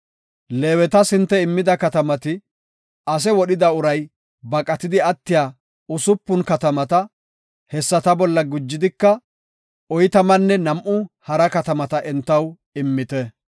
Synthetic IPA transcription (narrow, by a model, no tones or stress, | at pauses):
leːwɛt̪ɐsɪnt̪ːɛɪmːɪd̪ɐkɐt̪ɐmɐt̪ɪ | ɐs̬ɛwɔɗɪd̪ɐʊɾɐj | bɐkʼɐt̪ɪd̪ɪɐt̪ːɪjaː | ʊsʊpːʊnkɐt̪ɐmɐt̪ɐ | hɛsːɐt̪ɐbɔlːɐɡʊd͡ʒːɪd̪ɪkːɐ | ɔjt̪ɐmɐnːɛnɐmʔʊhɐɾɐkɐt̪ɐmɐt̪ɐʔɛnt̪ːɐw | ɪmːɪt̪ɛ